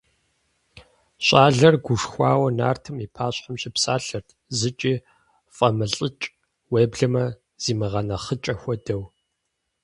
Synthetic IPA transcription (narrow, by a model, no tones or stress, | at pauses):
ɕʷʼaːɮɐrɡʷuʂxʷaːwɐna̰ːrtʰɨmiːpʰaːɕħamɕʼɪpsaːɬɐrtʰzɨt͡ʃʼiː | fʼɐmɨɬʼət͡ʃʼ | weːbɮɐmɐ | z̥iːmɨʁɐnɐχət͡ʃʼɐxʷɔdɐw